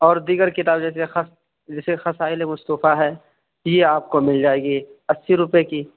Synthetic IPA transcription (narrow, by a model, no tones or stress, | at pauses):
ɔːɾd̪iːɡəɾkɪt̪aːbd͡ʒɛːs̬exɐs | d͡ʒɛːsexɐsaːɪlemʊst̪uːfaɦɛ | jeaːp̚komɪld͡ʒaːeːɡiɐsːiɾʊpjekiː